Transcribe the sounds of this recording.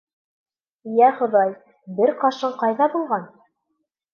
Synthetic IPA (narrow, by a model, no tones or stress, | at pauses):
jæχŏðɑj | bɘɾqɑʃɤɴqɑjðɑbulˠʁɑn